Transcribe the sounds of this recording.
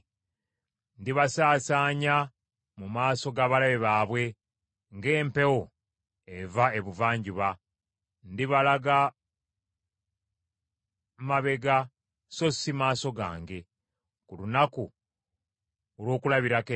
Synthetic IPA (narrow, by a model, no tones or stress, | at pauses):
ndiβasaːsaːɲa | mumaːso̞ɡaβalaβeβaːβwe̞ | ŋɡe̞ːmpe̞wo | evae̞βuvaːɲɟuβa | ndiβalaɡa | maβe̞ɡa | so̞simaːso̞ɡa̰ːŋɡe̞ | kulunaku | olwo̞ːkulaβiɾake